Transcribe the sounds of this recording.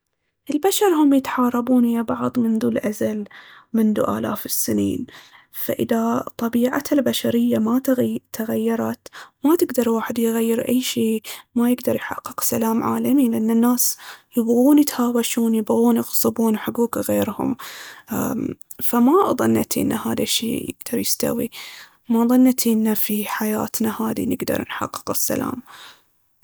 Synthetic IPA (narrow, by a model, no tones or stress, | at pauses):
ʔɪlbaʃɑɾˤhʊmjɪt̪ħɑːɾˤɑbuːnhɪjabɑʕðˤmɪnd̪uːlʔazalmɪnd̪ṵʔa̰ːla̰ːfɪsːɪnḭːn | fa̰ʔɪ̰ðat̪ˤːɑbiːʕa̰t̪albaʃaɾɪjːamat̪ːaɣajːɑɾˤɑt̪mat̪ɪɡd̪ɑɾˤwaːħɪd̪jɣajːɪɾʔajːʃiːmajɪɡd̪ɑɾˤjħɑ̰qːɨqsalaːmʕa̰ːlamilɪʔanːɪnːaːsjɪbɣuːnjɪt̪haːwaʃuːnjɪbɣuːnjɪɣsˤɨbuːnwħaɡuːkɣeːɾhʊ̰m | famaðˤɨnːat̪iʔɪ̰nːahaːðaʃḭːjɪ̰ɡd̪̥ɑɾˤjɪst̪a̰wḭ | maðˤɨnːt̪ʰiʔɪnːafiħajaːt̪nahaːðḭnɪɡd̪ɑ̰ɾˤnħɑ̰qːɨ̥qɪsːa̰la̰ːm